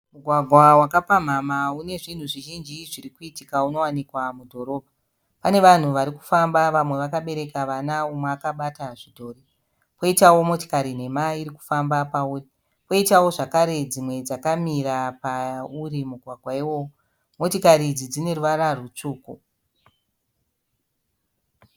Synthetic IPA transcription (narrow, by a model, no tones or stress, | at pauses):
muɡʱwaɡʱwawakapam̤amaune̞ʐin̤uʐiʒind͡ʒiʐirikuitikauno̞wanikwamudʱo̞ɾo̞ːbʱa | pane̞ʋan̤uʋaɾiku̥fambaʋamwe̞ʋakaɓe̞ɾe̞kaʋanaumweakaɓataʐidʱo̞ːri | po̞itawo̞mo̞ti̥kaɾin̤e̞maiɾiku̥fambapauːri | po̞itawo̞ʐakaɾe̞d͡zimwe̞d͡zakamiɾapauɾimuɡʱwaɡʱwaiwo̞ːwo | mo̞tikaɾid͡zid͡zine̞ruʋaɾarut͡ʂuːko